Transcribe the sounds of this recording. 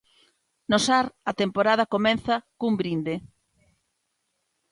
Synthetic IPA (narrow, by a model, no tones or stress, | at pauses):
nosaɾɐt̪empoɾað̞ɐkomɛ̃nθɐkumbɾind̪e